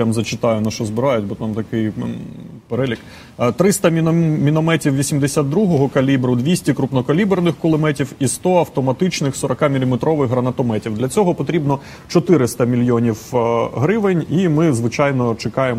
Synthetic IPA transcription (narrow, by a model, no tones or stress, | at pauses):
amzɐt͡ʃɪt̪ɑjʊnɐʃɔzbɪɾɑjʊtʲbɔt̪amt̪ɐkɪj | peɾɛlʲik | t̪ɾɪst̪ɐmʲinɔmɛtʲiwʋʲisʲimd̪esʲad̪ɾuɦɔɦɔkɐlʲibɾʊd̪ʲʋʲisʲtʲikɾupnɔkɐlʲibernɪxkʊlˠɪmɛtʲiwist̪ɔɐwt̪ɔmɐt̪ɪt͡ʃnɪxsɔɾɔkɑmʲilʲimet̪ɾɔʋɪxɦɾɐnɐt̪ɔmɛtʲiwd̪lʲɐt͡sʲɔɦɔpɔt̪ɾʲibnɔ | t͡ʃɔt̪ɪɾɪst̪ɐmʲilʲjɔnʲiwɦɾɪʋɪnʲimɪzʋɪt͡ʃɑjnɔt͡ʃekɑje